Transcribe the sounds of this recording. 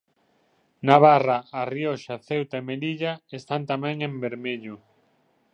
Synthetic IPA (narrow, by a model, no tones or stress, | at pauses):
naβ̞araarioʃaθewt̪aemeliʎaest̪ant̪amɛ̃ŋembeɾmeʎʊ